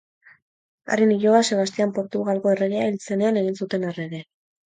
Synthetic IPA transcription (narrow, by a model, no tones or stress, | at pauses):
a̰riniʝoase̞β̞ast̪iampo̞ɾt̪uɣalɣo̞e̞reɣeailt͡se̞ne̞ane̞ɣinsut̪e̞nareðe̞